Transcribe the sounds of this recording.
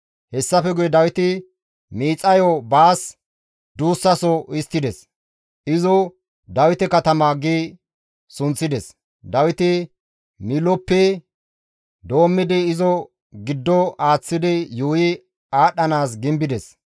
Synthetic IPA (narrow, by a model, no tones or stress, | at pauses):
hɛsːɐfɛɡʊjɛd̪ɐwɪt̪ɪ | miːt͡sʼːɐjɔbaːs | d̪uːsːɐsɔɪst̪ːɪd̪ɛs | ʔɪzɔ | d̪ɐwɪt̪ɛkɐt̪ɐmaːɡiː | sʊnt͡sːɪd̪ɛs | d̪ɐwɪt̪ɪ | mɪlɔpːɛ | d̪o̞ːmːɪd̪ɪːzɔ | ɡɪd̪ːɔaːt͡sːɪd̪ɪjuːjɪ | aːɗɐnaːsɡɪmbɪd̪ɛs